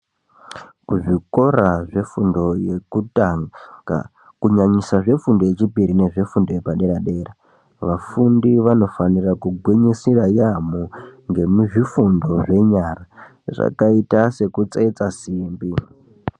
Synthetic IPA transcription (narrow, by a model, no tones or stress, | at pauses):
kuʐiko̞raʐe̞fundojekuaŋɡa̰ | kuɲaɲisaʐe̞fundo̞je̞t͡ʃipiɾine̞ʐe̞fundo̞jepaɗe̞ɾaɗe̞ːra | ʋafundiʋano̞fanirakuɡʱweɲisirajamoŋɡe̞muʐifundo̞ʐe̞ɲara | ʐa̰kaitase̞kut͡sait͡sasiːmbi